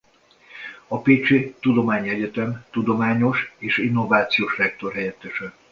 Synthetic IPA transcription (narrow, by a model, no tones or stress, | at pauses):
ɒpeːt͡ʃeːt̪ud̪o̞maːɲiɛɟɛt̪ɛmt̪ud̪o̞maːɲo̞ʃeːʃinːo̞vaːt̪sijoːʃrɛk̚t̪o̞rɦɛjɛt̪ːɛʃɛ